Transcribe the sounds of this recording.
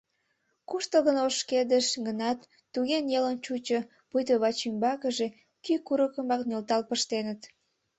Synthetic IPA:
kuʃt̪əɣənoʃked̪əʃɡənɑt̪ː | uɣenjelənt͡ɕut͡ɕə | pujt̪əβɑt͡ɕymbɑkəʒe | kykuɾəkəmɑknølt̪ɑlpəʃt̪enət̪

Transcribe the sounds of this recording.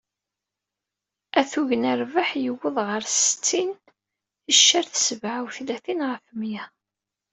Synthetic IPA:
æθuʝənæɾvaħjəwːəðˤʁəɾsət͡sːin | θəʃːaɾθsəvʕawθlæθinʁəfəmjæ

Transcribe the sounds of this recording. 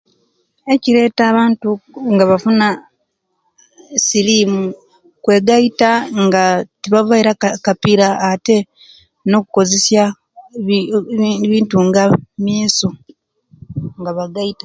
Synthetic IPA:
e̞ciɾe̞ːtaːβaːntuŋɡaβafuna | silimu | kwe̞ːɡaitaŋɡatiβavaiɾakapiɾaːte̞ | no̞kuko̞ze̞sja | βiːntuŋɡamjeːso | ŋɡaβaɡaitḁ

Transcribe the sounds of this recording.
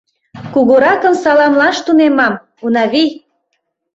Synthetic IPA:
kuɣoɾɑkə̆msɑlɑmlɑʃt̪unemɑm | unɑβi

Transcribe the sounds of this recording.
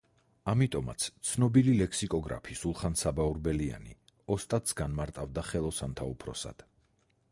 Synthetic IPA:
amit̪ʼɔma̰t̪sʰt̪sʰnɔbililɛkʰsikʼɔɡɾa̰pʰisulˠχansabauɾbɛlia̰nḭ | ɔst̪ʼat̪sɡanmaɾt̪ʼavd̪aχɛlˠɔsant̪ʰaupʰɾɔ̰sa̰d̪̥

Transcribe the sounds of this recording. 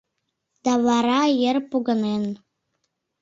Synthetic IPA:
d̪̥ɑβɑɾɑjerpuɣə̆nen

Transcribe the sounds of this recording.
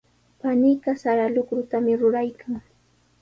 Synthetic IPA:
panɪjɢɑsaɾalʊkɾʊt̪amɪɾʊɾajkʰaŋ

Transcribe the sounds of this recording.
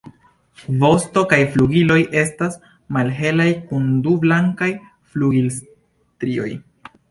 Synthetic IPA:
vo̞sto̞kajfluɡilo̞jʔe̞stas | malɦe̞lajkundublaŋkaj | fluɡils | tɾio̞̰j

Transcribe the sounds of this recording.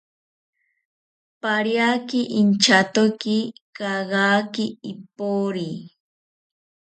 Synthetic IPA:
paɾjakɪʔint͡ʃat̪okɪkɑɢɑːkɪɪpoɾi

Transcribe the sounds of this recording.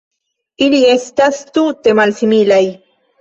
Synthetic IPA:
iliest̪ast̪ut̪emalsimilaj

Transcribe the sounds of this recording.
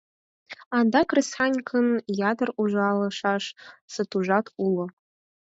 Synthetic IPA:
andakʰrɨsħanʲkʰɨnjadɐrʔuʒʷaːlɐʂaʂsɨtʰuʒʷatʰulo

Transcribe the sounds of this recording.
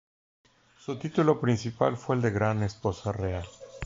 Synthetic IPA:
sut̪it̪ulo̞pɾinsipa̰lfweeːld̪e̞ɣɾane̞spo̞sareal

